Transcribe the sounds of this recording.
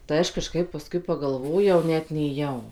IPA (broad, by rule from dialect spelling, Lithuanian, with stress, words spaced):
tɐɪ ˈɐʃ kɐˈʃkɐɪp pɐˈskʊɪ pɐɡɐlˠˈʋoːjɛʊ ˈnʲɛt nʲeːˈjɛʊ